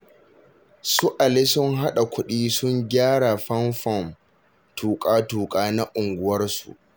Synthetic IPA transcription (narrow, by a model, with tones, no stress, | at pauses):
su˦ʔa˨le˦sʊ˦ŋɦa˦ɗa˨kʷʰʊ˦ɗiː˦sʊ˦ŋɡʲaː˦ɽa˨ɸɐ˦nɸɔ˦˨m | tʰuː˨kʼaː˦tuː˨kʼaː˦na˦ʔʊ˨ŋɡʷʊ˦wɐ˦rsṵ˨ʔ